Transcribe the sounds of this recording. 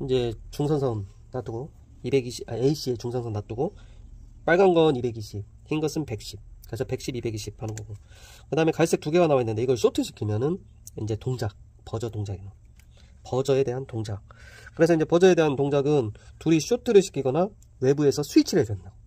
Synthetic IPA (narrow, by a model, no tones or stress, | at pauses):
ind͡ʑe̞t͡ɕuŋsʰʌnsʰʌnː | at͈uɡo | ibe̞ɡiɕiaeiɕ͈ʰie̞t͡ɕuŋsʰʌnsʰʌnːat͈uɡo | p͈aɭɡanɡʌnibe̞ɡiɕʰip̚ | çinɡʌsʰɯnpe̞k̚ɕ͈ip̚kɯɾe̞sʰʌpe̞k̚ɕ͈ibibe̞ɡiɕʰip̚hanɯnɡʌɡo | kɯdaɦɯme̞kaɭs͈e̞k̚t͈uɡe̞ɡanawainːɯnde̞iɡʌɭɕ͈otʰɯɭɕʰi̥kʰimjʌnɯn | ind͡ʑe̞toŋd͡ʑak̚ | pʌd͡ʑʌtoŋd͡ʑaɡina | pʌd͡ʑʌe̞de̞ɦantoŋd͡ʑak̚k͈ɯɾesʰʌind͡ʑe̞pʌd͡ʑʌe̞de̞ɦantoŋd͡ʑaɡɯntuɾiɕ͈otʰɯɾɯɭɕʰi̥kʰiɡʌna | we̞bue̞sʰʌsʰuit͡ɕʰiɾedwenndao